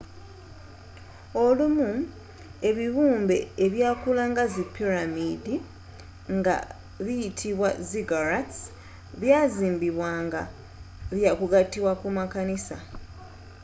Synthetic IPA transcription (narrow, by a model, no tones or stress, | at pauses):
o̞lumu | e̞βiβuːmbe̞ːβjaːkulaŋɡazipiɾamidi | ŋɡa̰ | βijitʰiβwaziɡaɾats | βjaːziːmbiβwaːŋɡa | βjakuɡatːiβwakumakanisa̰